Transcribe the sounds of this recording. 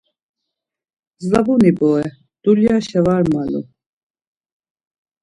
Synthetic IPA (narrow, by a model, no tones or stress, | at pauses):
zlabunibɔɛ | d̪̥uljaʃɛvaɾmalṵ